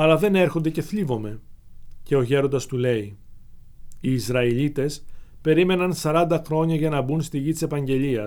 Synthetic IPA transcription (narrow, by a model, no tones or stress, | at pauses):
ɐlɐðe̞ne̞ɾxo̞nd̪e̞ce̞θlivo̞me̞ce̞oçe̞ɾo̞nd̪ɐst̪ule̞i | iːzɾɐiʎit̪e̞spe̞ɾime̞nɐnsɐɾɐnd̪ɐxɾo̞ɲɐʝɐnɐbunst̪iʝit̪i̥se̞pɐɲɟe̞ʎiɐs